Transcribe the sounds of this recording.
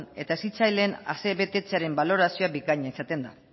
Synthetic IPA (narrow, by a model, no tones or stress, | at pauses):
ne̞t̪aesit͡sajle̞ːna̰se̞βe̞t̪e̞t͡seaɾe̞mbalo̞ɾasio̞abikaɲaisat̪e̞nd̪a